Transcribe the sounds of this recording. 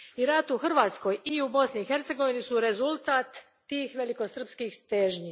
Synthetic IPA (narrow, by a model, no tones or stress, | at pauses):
iɾat̪uxr̩ʋaːt̪sko̞jiubo̞sniixe̞ɾt̪se̞ɡoʋinisuɾe̞zulˠt̪aːt̪ː | iːxʋe̞liko̞sr̩pskiːxt̪eːʒɲi